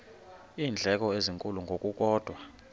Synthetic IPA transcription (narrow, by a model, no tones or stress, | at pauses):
iːnd͡ɮʱɛk̬ʼɔeziŋkʼuluŋɡʱok̬ʼuk̬ʼɔːd̥ʱwa